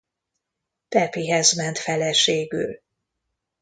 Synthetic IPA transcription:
pɛpiɦɛzmɛnt̪fɛlɛʃeːɡy̰l

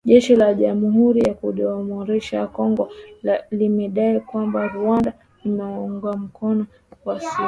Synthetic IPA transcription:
ʄɛʃilaʄamuɦuɾijakuɗɔmɔɾɛʃakɔŋɡɔlimɛɗaikwambaɾuanda | limɛɔŋɡam̩kʰɔnɔ | kwasi

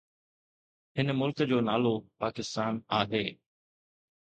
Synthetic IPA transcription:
ɦɪnəmʊlkd͡ʑoːnaːlopaːkɪst̪aːnaːɦeː

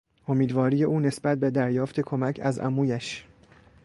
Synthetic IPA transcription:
ʔo̞miːd̪vɒːɾiːjeʔuːne̞sbæt̪̚bed̪æɾjɒːft̪ʰe̞kʰo̞mæcʰæ̰zʔæ̰muːjæʃ

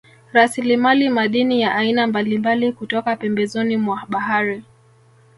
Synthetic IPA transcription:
ɾasilimalimaɗinijaʔainambalimbalikutɔkapɛmbɛzɔnimwaɓaɦaɾi

